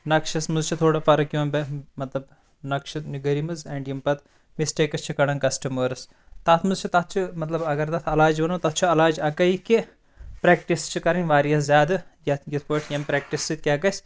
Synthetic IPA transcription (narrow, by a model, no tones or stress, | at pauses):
nɐkʃɐsmuzt͡ʃʰit̪ʰoːɽɐpɐɾɐkjoːmbemɐt̪lɐb | nɐkʃɐniɡɐɾimɨzɛːɳɖjimpɐt̪ | misʈeːkɐst͡ʃʰikɐɽɐnkɐsʈɐmɐɾɨs | t̪ɐt̪ʰmɨzt͡ʃʰit̪ɐt̪̚ʰt͡ʃʰimɐt̪lɐbɐɡɐɾt̪ɐt̪ʰɐlaːd͡ʒʋɐnot̪ɐt̪̚ʰt͡ʃʰiɐlaːd͡ʒɐkɐiki | pɾeːk̚ʈist͡ʃʰikɐɾɐnʲʋaːɾijɐszʲaːd̪ɨjɐt̪jit̪ʰpoːʈʰjɐmpɾeːk̚ʈisɨt̪ʲkʲaːkɐsʲ